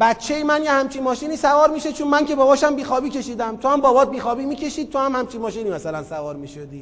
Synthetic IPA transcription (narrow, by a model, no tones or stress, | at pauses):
bæt̪t͡ʃʰːe̞jimænjehæmt͡ʃʰinmɒːʃiːniːsævɒːɾmiːʃet͡ʃʰonmænce̞bɒːbɒːʃæmbiːxɒːbiːcʲe̞ʃiːd̪æmt̪ʰohæmbɒːbɒːt̪̚biːxɒːbiːmiːcʰe̞ʃiːd̪̚t̪ʰohæmhæmt͡ʃʰinmɒːʃiːniːmæsælænsævɒːɾmiːʃod̪iː